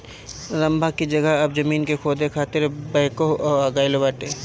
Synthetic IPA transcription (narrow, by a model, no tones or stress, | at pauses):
ɾɐ̃mbʱakid͡ʒɐɡəɦɐbd͡ʒɐmiːnkekʰoːd̪ʱekʰaːt̪ɪɾbɐɦkoaɡaːilebaːʈeː